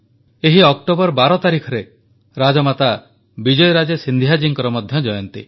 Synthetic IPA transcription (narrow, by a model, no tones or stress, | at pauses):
eɦiɔkʈobɔɾbaɾɔt̪aɾikʰɔɾe | ɾad͡ʒɔmat̪a | bid͡ʒɔjɾad͡ʒesind̪ʱijɦad͡ʒiŋkɔɾɔmɔd̪ʱjɔd͡ʒɔjɔnt̪ḭ